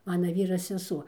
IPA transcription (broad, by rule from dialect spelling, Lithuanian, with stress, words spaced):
ˈmɑːnɐ ˈʋʲiːrɐ sʲɛˈsuɔ